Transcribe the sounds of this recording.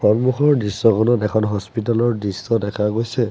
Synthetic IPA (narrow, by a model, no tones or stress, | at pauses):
pʰɔnmuxɔɹdisːɔkʰɔnɔtɛkʰɔnɦɔspitalɔɹdisːɔdɛkʰaɡojsɛ